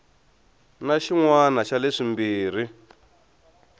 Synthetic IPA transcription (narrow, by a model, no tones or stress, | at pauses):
naʃiŋwanaʃaleʂimbiːr̤i